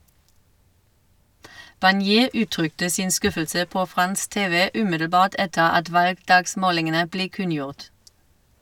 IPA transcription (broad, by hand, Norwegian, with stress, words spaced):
bɑnˈjeː ˈʉːˌtʁʏktə ˈsɪn ˈskʉfəlsə ˈpoː ˈfʁɑns ˈteːʋə ˈʉːmɪdl̩ˌbɑːʁt ˈɛtəʁ ˈɑt ˈʋɑlɡˌdɑːɡˌsmoːlɪŋənə ˈbleː ˈkʉnˌjʊʁt